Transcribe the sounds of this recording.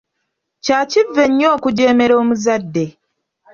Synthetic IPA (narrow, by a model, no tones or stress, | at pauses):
caːcivːe̞ɲːo̞ːkuɟe̞ːme̞ɾo̞ːmuzadːe̞